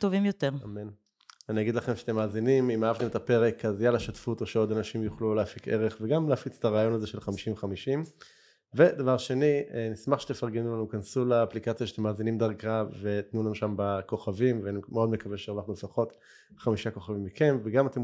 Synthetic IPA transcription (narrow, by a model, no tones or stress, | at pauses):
t̪ovimjot̪eʁamen | aniaɡid̪laχe̞mʃeat̪e̞maːzinimimaavt̪emetape̞ʁe̞kazajalaʃatfut̪o̞ʃeo̞d̪anaʃimjuχluleafike̞̰ʁeχveɡamleːfit͡setaʁaːjo̞nazeʃelχamiʃimveχamiʃim | ve̞d̪avaʁʃe̞nienismaχʃe̥t̪efaʁɡenulanukansulaːplikat͡sjaʃatemːaːzinimd̪aʁkave̞t̪nulanuʃambako̞χavimveanimeo̞dme̞kaveʃeːʁvaχnulefaχo̞t | χamiʃako̞χavimːikʰe̞mveɡamat̪e